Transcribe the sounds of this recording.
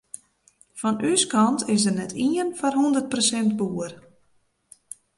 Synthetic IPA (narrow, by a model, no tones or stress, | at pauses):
fɔnyskɑntʰɪsdərnɛtʰiənfɔrɦundərt̚prosɛnt̚buːər